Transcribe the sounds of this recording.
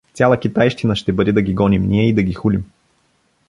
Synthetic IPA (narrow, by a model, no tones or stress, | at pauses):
ft̪sʲalˠəkʲit̪ajʃt̪inəʃt̪ɛbɤd̪ɛd̪ɐɡʲiɡɔnimniɛid̪ɐɡʲixulim